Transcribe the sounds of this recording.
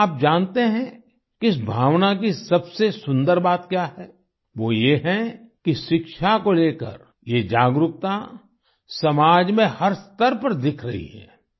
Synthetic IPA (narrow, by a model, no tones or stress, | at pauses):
aːp̚d͡ʒaːnt̪eɦɛ̃ | kiɪs̬bʱaːʋnak̬isɐbsesʊ̃nd̪əɾbaːt̪kjaːɦɛ | ʋoːjeɦɛkiʃɪkʃakoleːkə̰ɾ | jed͡ʒaːɡɾʊk̚t̪a | sɐmaːd͡ʒmẽhɐɾst̪əɾpɐɾd̪ɪkʰɾɐ̰ɦḭɦɛ̰ː